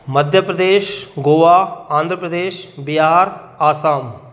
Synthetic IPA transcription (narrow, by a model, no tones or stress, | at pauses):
mɐd̪ʱjəpɾɐd̪eːʃɡoːʋaːãːnd̪ʱɾəpɾəd̪eːʃbɪɦaːɾ | aːsaːm